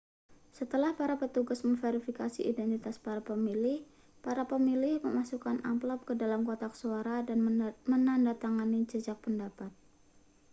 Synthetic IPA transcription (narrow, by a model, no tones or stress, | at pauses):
sət̪əlahpaɾapət̪uɡasməŋfeɾifikasḭʔidɛnt̪it̪aspaɾapəmilɪh | paɾapəmilɪhmə̰masukanʔa̰mplɔp̚kədalamkot̪aksuaɾadanmənandat̪aŋanit͡ʃəd͡ʒak̚pəndapat̪̚